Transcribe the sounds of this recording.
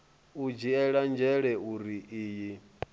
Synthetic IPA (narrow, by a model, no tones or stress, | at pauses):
ud͡ʒiɛɺand͡ʒɛɺɛuɾiiːji